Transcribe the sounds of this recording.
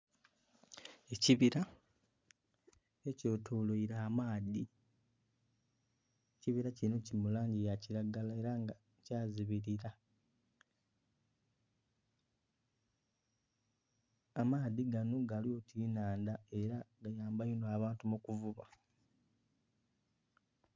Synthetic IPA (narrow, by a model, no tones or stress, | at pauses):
e̞ciβiɾa | eco̞ːtʰoːloiɾaːmaːdi | eciβiɾacino̞cimulaːɲɟijaciɾaɡalae̞ɾaŋɡa | caːziβiɾiɾa | amaːðiɡanoɡaljo̞ːtʰiːnaːndae̞ɾaɡajaːmbajonoaβaːntumukuvuβa